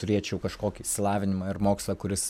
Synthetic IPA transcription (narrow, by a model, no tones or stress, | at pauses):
t̪ʊɾʲeːt͡ʃʲɛʊkɐʃkoːkʲisʲɪlˠɑːʋʲɪnʲɪmɑːɪɾmoːkslˠɐkʊɾʲɪs